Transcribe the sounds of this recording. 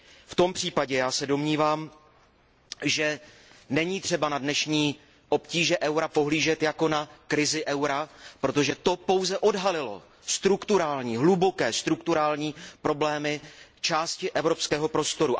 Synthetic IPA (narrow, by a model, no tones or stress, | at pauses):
ft̪o̞mpr̝̥iːpaɟɛjaːsɛdo̞mɲiːvaːm | ʒɛ | nɛɲiːt̪r̝̥ɛbanadnɛʃɲiː | ʔo̞pciːʒɛʔɛwɾapo̞ɦliːʒɛt̪jako̞nakɾɪzɪʔɛwɾapɾo̞t̪o̞ʒɛt̪o̞po̞wzɛʔo̞dɦalɪlo̞̰ | st̪ɾukt̪uɾaːlɲiːɦlubo̞kɛːst̪ɾukt̪uɾaːlɲiːpɾo̞blɛːmɪt͡ʃaːscɪʔɛvɾo̞pskɛːɦo̞pɾo̞st̪o̞ɾu